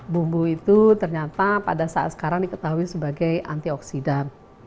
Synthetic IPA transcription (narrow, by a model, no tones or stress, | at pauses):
bumbuit̪ut̪ərɲat̪apadasaa̰t̪sə̥kaɾaŋdikət̪aɦuisəbaɡaja̰nt̪iɔksidan